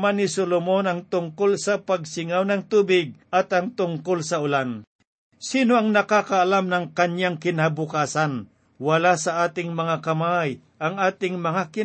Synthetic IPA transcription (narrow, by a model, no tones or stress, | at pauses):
manːɪsolomonɐŋt̪ʊŋkolsɐpaɡ̚sɪŋawnɐŋt̪uːbɪɡ̚ɐt̪ɐŋt̪ʊŋkolsɐʊlan | siːnoɐŋnɐkakaʔːlamnɐŋkɐɲjaŋkɪnabʊkaːsan | wɐlasɐʔaːt̪ɪŋmɐŋakɐmaj | ʔɐŋaːt̪ɪŋmɐŋakɪ